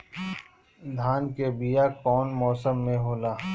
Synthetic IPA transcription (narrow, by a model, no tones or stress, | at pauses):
d̪ʱaːnkebijaːkɔːnmɔːsəmːẽɦoːlaː